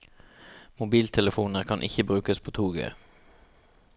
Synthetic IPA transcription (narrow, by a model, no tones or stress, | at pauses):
mʊbiːlt̪ʰɛləfuːnəʁkʰɑnʔɪ̰çəbʁʉːkəspʰoːt̪ʰuːɡə̰